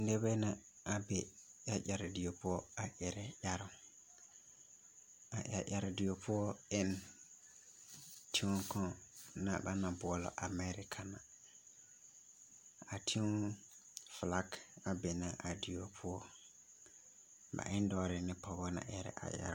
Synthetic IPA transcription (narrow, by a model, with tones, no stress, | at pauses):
nde˦bɛ˦na˨ | a˨be˨ja˦ʔa˨ɾɪ˨dɪ˨o˨pʊ˦ɔ˦a˨ʔɛ˨ɾɛ˦ja˦ɾʊ˨ | a̰˨ʔa̰˨ʔa˨ɾɪ˨dɪ˨o˨pʰʊ˦ɔ˦ɪ˦n | tʰi˦u˦kɔ̃˦na̰˨ba̰˦na˨bʊ˨ɔ˨lɔ̰˨ʔa˨mɛ˦ɾɪ˨kʰa˨na˨ | a˨tʰi˦ʊ˦ | fla˦ka˨be˨na˨ʔa˨dɪ˨jo˨pʰʊ˦ɔ˦ | ba̰˨ʔɪ˦n˦dɔː˦ɾɪ˨nɪ˦pɔ˨bɔ˦na̰˨ʔɛ˨ɾɛ̰˦ʔa̰˨ja̰˦ɾ